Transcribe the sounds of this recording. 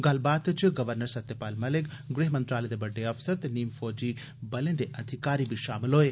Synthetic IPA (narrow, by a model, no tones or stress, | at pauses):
ɡɐlbaːt̪t͡ʃiɡɐʋəɾnəɾsɐt̪ːepaːlmɐlɪkɡɾeːɦmɐnt̪ɾaːled̪ebɐɖːeɐfsəɾt̪eniːmfɔːd͡ʒiː | bɐlẽːnd̪eʔɐd̪ʱɪkaːɾibʱiʃaːmɪlɦoːeː